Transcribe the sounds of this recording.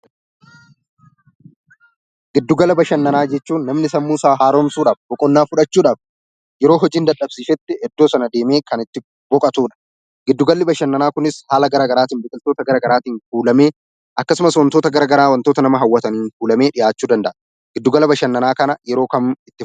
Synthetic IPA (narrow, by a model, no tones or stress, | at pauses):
ɡɪd̪ːʊɡɐlɐbɐʃɐnːɐnaːd͡ʒɛt͡ʃːuːnːɐmnɪsɐmmuːsaːɦaːɾoːmsuːᶑaːfbɔkʼɔnːaːfʊᶑɐt͡ʃːuːᶑaːf | jɛɾo̞ːɦɔd͡ʒiːnd̪ɐᶑɐbsiːfɛt̪ːɪhɛd̪ːoːsɐnɐd̪e̞ːme̞ːkɐnɪt̪ːɪ | bɔkʼɐt̪uːᶑɐ̥ | ɡɪd̪ːʊɡɐlːɪbɐʃɐnːɐnaːkʊnɪshaːlɐɡɐɾaːɡɐɾaːt̪iːnbɪkʼɪlt̪o̞ːt̪ɐɡɐɾaːɡɐɾaːt̪iːnfuːlɐme̞ː | ʔɐkːɐsʊmɐswɐnt̪oːt̪ɐɡɐɾaːɡɐɾaːwɐnt̪oːt̪ɐnɐmɐɦɐwːɐt̪ɐniːnfuːlɐme̞ːᶑɪjaːt͡ʃːuːd̪ɐnd̪ɐʔɐ | ɡ̥ɪd̪ːʊɡɐlɐbɐʃɐnːɐnaːkɐnɐjɛɾo̞ːkɐmɪt̪ːɪ